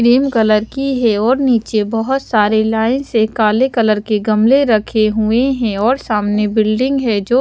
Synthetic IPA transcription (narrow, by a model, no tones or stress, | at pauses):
ɾiːmkɐləɾkiɦɛɔːɾniːt͡ʃebɐɦʊt̪saːɾelaːɪ̃nsekaːlekɐləɾkeɡɐmleɾɐkʰeɦueɦɛ̃ɔːɾsaːmnebɪlɖɪ̃ŋɡɦɛd͡ʒoː